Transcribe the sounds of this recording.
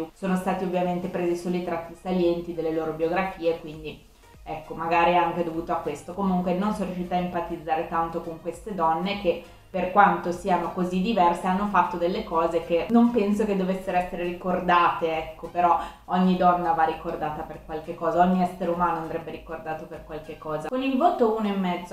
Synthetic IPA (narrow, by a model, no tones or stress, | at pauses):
usoːnost̪aːt̪iovːjament̪epɾeːzisoːlit̪ɾat̪ːisaljɛnt̪id̪elːeloːɾobjoɡɾafiːekwind̪i | ɛkːomaɡaːɾiaŋked̪ovuːt̪oakːwest̪okomuŋkwenonsonɾjuʃiːt̪aimpat̪id̪zːaːɾet̪ant̪okoŋkwest̪ed̪ɔnːek̟e | pːerkwant̪osiːanokozid̪ːivɛrseanːofat̪ːod̪elːekɔːzek̟enompɛnsoked̪ːovesːeɾoɛsːeɾeɾikord̪aːt̪eɛkːopeɾɔ | oɲːid̪ɔnːavarikord̪aːt̪aperkwalkekːɔːzaoɲːiɛsːeɾeumaːnoand̪ɾɛbːeɾikord̪aːt̪operkwalk̟ekːɔːzakonilvoːt̪ounoemːɛd̪zːo